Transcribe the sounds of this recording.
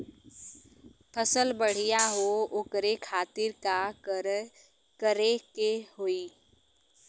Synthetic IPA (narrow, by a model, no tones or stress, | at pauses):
pʰəsəlbəɽ̤ijaɦookɾekʰaːt̪ɪɾka | kəɾekeɦoi